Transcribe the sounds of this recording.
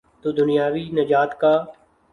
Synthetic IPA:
t̪od̪ʊnɪjaːʋiːnɐd͡ʒaːt̪kaː

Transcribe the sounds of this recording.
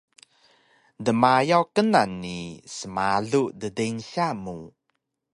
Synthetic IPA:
dəmajawkənanːisəmaɮudədeŋɕamu

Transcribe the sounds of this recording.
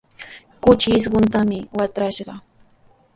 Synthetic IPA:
kʊt͡ʃɪːs̬ɢʊnt̪̬amɪwat̪ɾaʃɢɑ

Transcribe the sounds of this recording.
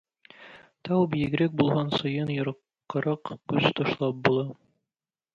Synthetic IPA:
t̪ɑwbijɘ̆ɡɘ̆ɾɘk̚bulˠɦɑnsɤ̆jɤnjŏɾɤ̆qqːɤ̆ɾɑqkɵst̪ŏʃlˠɑp̚bulˠɑ

